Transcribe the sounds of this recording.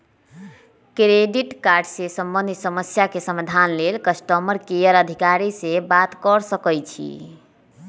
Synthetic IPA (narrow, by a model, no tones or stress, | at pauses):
kɾeɖiʈkaɾɖsesəmbənd̪ʱisəməsjakesəmad̪ʱanlelkəsʈəməɾkejəɾəd̪ʱikaɾisebat̪kəɾsəkəjt͡ʃʰḭ